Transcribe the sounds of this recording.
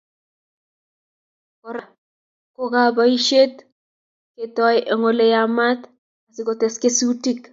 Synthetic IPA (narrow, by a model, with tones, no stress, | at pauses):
kɔ˨ɾa˨ | ko˦kaba˦i˦ʃe˦t | ke˨tɔ˦jʔe˨ŋo˦le˦jama˦t | a˨si˦ɡo˨teske˦su˦ti˦k